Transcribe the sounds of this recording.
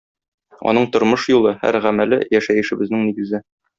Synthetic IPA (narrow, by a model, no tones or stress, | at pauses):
ɒ̰nɤɴt̪ŏɾmɤʃjulˠɤhæ̰ɾʁæmælɘ̰jæʃæjɘ̆ʃɘ̆bɘ̆znɘŋniɡɘ̆zɘ